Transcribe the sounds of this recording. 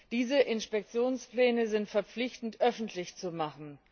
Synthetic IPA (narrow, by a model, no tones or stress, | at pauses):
d̥iːzəʔɪnʃpɛk̚t͡sjoːnsplɛːnəzɪntfɛɐp͡flɪçtn̩tʔœfn̩tʰlɪçt͡sumaχn̩